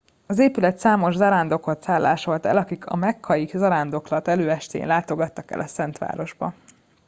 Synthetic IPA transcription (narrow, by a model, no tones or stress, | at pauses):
ɒzeːpylɛt̪saːmo̞ʒzɒɾaːnd̪o̞kot̪saːlːa̰ːʃo̞lt̪ɛ̰lɒkikʰɒ̰mɛkʰːɒjikzɒɾaːnd̪o̞klɒt̪ɛløːɛʃt̪ḛːnlaːt̪o̞ɡɒt̪ːɒkɛ̰lʔɒsɛnt̪ʋa̰ːɾo̞ʒbɒ̰